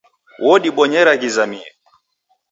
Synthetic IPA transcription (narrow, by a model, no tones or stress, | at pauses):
wʔɔɗiɓɔɲɛɾaɣizamiɛ